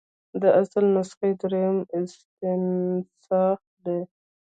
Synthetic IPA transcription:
d̪əʔasəlnasqed̪ɾejmɪst̪ɪnsɑx | d̪e

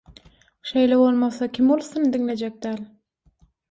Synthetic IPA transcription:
ʃajlawolˠmasakʲʰɪmolˠsɪnd̪ɪŋlad͡ʒak̚ʲd̪al

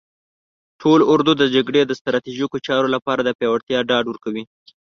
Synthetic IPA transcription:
ʈʰolʊɾd̪ud̪əd͡ʒaɡɽed̪əst̪ɾɑt̪iʒikot͡ʃɑɾolapɑɾad̪əpjɑwaɽt̪jɑɖɑɖwəɾkawi

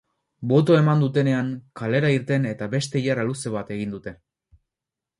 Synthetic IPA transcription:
bo̞t̪̬o̞e̞mand̪ut̪e̞ne̞aŋkale̞ɾaiɾt̪e̞ne̞t̪aβe̞st̪e̞ijaraluse̞β̞at̪e̞ɣ̞ind̪ut̪e̞

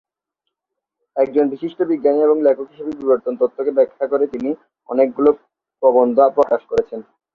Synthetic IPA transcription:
ɛk̚d͡ʑonbiʃiʃʈobiɡːanieboŋlɛkʰokiʃobibiboɾt̪ont̪ot̪ʰːokebɛkʰːakoɾet̪ini | ɔ̰nek̚ɡulo | pɾɔbond̪ʱoapɾokaʃkoɾet͡ɕʰen

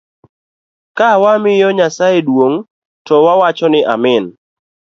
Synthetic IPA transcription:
kawamɪjɔɲasajedwoŋ | tɔwawat͡ʃɔnɪʔa̰mɪn

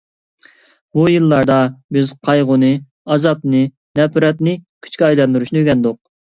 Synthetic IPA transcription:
bujɨlˠːɑɾd̪ɑbɪzqʰɑjʁʊnɨ | ɑzɑpnɨ | nɛpɾɛt̪nɨkʲʰy̥t͡ʃkʲiɑjlˠɑnd̪uɾuʃnɨyɡʲɛnd̪ʊq̚

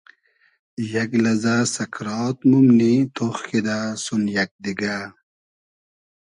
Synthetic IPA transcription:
jɐklɐzasɐkɾɑːt̪̚mumnit̪ʰoxkid̪asunjɐk̚d̪iɡa

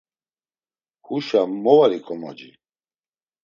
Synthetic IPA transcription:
kuʃamɔvaɾikʼɔmɔ̰d͡ʒi

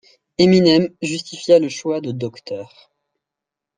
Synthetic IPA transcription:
eminɛmʒyst̪ifjaləʃwad̪əd̪ɔkt̪œːʁ

